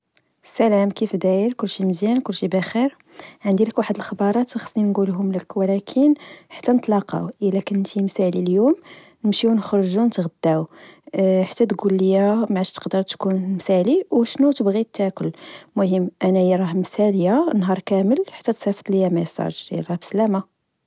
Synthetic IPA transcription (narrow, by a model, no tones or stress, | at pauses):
sælæmkifd̪æjəɾkʊlːʃiməzjænkʊlːʃibæxiɾ | ʕənd̪iləkwaħəd̪əlxbɑɾˤɑt̪wxə̥sˤninɡulɦʊmləkwlækʰənħḁt̪ːænət̪ˤlɑqɑ̰wʔəlːækənt̪imsæliljum | nəmʃiwnəxɾˤʒunət̪ɣəd̪ːæw | ħḁt̪ːæt̪ɡulːəjæmʕaʃt̪ə̥qd̪əɾˤt̪kunmsæliwʃnut̪əbɣit̪ːækʊlːmʊhəmːʔænæjiɾˤɑhmsæljæənːɦɑɾˤkæməlħḁt̪ːæt̪sæfə̥t̪ˤləjæmæjsˤɑ̰ʒɾj̰ɾˤɑbslæma